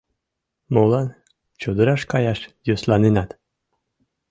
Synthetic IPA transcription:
molˠɑn | t͡ɕod̪ɤ̆ɾɑʃkɑjɑʃjoslˠɑninɑt̪

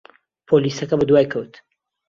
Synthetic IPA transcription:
pʰolisɐkɐbɨd̪waːjkʰɐwt̪

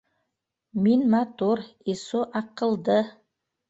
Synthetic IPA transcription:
minmat̪uɾisuʔɑqə̆lˠd̪ə

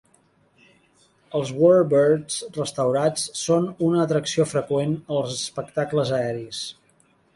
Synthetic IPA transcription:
əlˠzwɔrbərzrəst̪əwɾat͡ssonunəːt̪ɾəksiofɾəkwenəlˠzəspəkt̪akləzəɛɾis

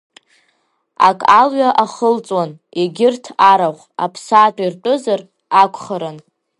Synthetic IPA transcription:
a̰kʼalɥaʔaχəlt͡sʼwan | eɡʲɪrtʰaɾaʁʷa̰pʰsaːtʼairʈ͡ʂʼɨzar | akʷʰχaɾan

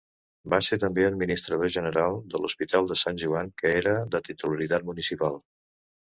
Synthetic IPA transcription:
baset̪əmbeəd̪̚minist̪ɾəðoʒənəɾalˠd̪əluspit̪alˠd̪əsanʲʒuaŋkəeɾəðət̪it̪uləɾit̪at̪̚munisipalˠ

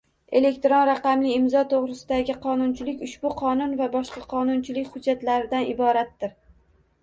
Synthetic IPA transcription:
e̞le̞k̚ʲt̪ɾonɾaqɑmlɪːmzɒt̪ʰoʁɾɪsɪd̪aɡʲɪqʰɒnʊnt͡ʃʰɪlɪkʲʊʃbʊqʰɒnʊnvabɒʃqɑqʰɒnʊnt͡ʃʰɪlɪkʲχʊd͡ʒːat̪laɾɪd̪anɪbɒɾat̪ːɪɾ

